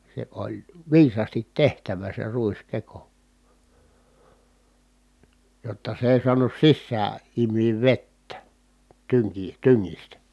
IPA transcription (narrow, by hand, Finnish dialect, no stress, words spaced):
se olʲ ʋiːsɑːstit tehtæʋæ se ruiskeko jotːɑ s ei suɑnus sisːæː imˑiːʋ ʋetːæ tyŋki tyŋːistæ